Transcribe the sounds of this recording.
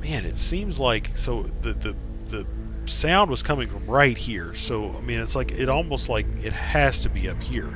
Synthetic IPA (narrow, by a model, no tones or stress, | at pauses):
mæ̃nɨ̰tsĩmzlaɪksoʊðɨðɨ | ðɨ | sãʊ̃nd̚wʌz̥kʰʌmɪ̃ŋfɹʌ̃mɹaɪt̚hiɹsoʊa̰ɪmĩnɨtslaɪkɪɾɔlˠmoʊstˡlaɪkɨt̚hhɨz̥tʰɨbiʌphiɹ